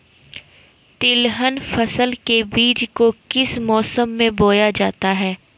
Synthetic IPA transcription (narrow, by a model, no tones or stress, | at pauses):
t̪ɪlɦənfɐsəlkebiːd͡ʒkokɪsmɔːsəmːẽboːjad͡ʒaːt̪aɦɛː